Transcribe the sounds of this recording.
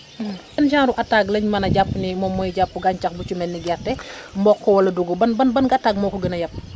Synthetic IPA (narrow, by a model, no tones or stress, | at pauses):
kɛnʃaːɾuʔɐtːaɡlɐɲmɐnɐɟapːnimɔmːɔjiɟapːuɡaɲt͡ʃɐxbut͡ʃumɛnːiɡɛrtɛmbɔkːɔwɐlɐduɡɔbɐnbɐnbɐnɡatːaɡ̚mɔːkɔɡənɐjɐp̚ː